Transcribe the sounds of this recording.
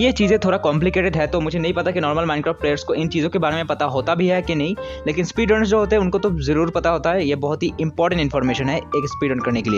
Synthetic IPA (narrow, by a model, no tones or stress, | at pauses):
jet͡ʃiːzẽt̪ʰoːɾɽakɔ̃ːmp̬lɪkeːʈɪɖɦɛt̪omʊd͡ʒʱenɐɦĩpɐt̪akinɔːɾməlmãːɪ̃nkɾɔːfʈ̚pɾeːjəɾskoɪnt͡ʃiːzõkebaːɾemẽpɐt̪aɦoːt̪abʱiɦɛkenɐɦĩ | leːkɪnspiːɖə̃ʈsd͡ʒoːɦoːt̪eɦɛ̃ʊ̃nkot̪ozɐɾuːɾpɐt̪aɦoːt̪aɦɛjebɐɦʊt̪ɦiɪ̃mpɔːɾʈə̃ɳʈɪ̃nfɔːɾmeːʃənɦɛeːkspiːɖə̃ɳʈkɐɾnekelie